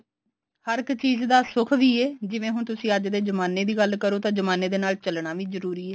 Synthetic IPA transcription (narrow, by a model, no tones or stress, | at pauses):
həɾɪkt͡ʃiːzd̪aːsʊkʰʋiːeːd͡ʒɪʋẽːɦʊɳt̪ʊsĩːəd͡ʒd̪eːzəmaːneːd̪iːɡəlkəɾoːt̪ãːd͡ʒəmaːneːd̪eːnaːlt͡ʃəlɳaːʋiːzəɾuːɾiːɛː